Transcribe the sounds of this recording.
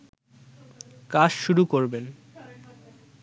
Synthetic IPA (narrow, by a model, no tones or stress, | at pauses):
kaʃʃuɾukoɾben